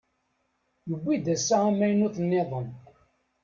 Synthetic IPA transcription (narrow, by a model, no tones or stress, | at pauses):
jəbʷːid̪æsːaæmæjnʊθnːɪðˤəm